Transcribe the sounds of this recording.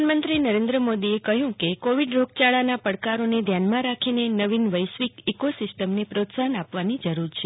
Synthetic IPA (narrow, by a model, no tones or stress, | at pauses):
nmənt̪ɾinəɾend̪ɾəmod̪iekəɦjũkekoʋiɖɾoɡ̚t͡ʃaɭanapəɽkaɾoned̪ʱjanmãɾakʰinenəʋinʋəjsʋikikosɪsʈəmnepɾot̪sanapʋanid͡ʒəɾuɾt͡ʃʰe